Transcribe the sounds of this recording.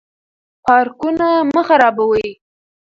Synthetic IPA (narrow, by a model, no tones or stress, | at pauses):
pɑɾkunaməxaɾɑbawəi